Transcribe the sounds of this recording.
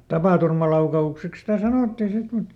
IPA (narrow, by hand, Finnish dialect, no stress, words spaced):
tɑpɑˑturmɑlɑukɑukseks sitæ sɑnoˑtːiː sit mut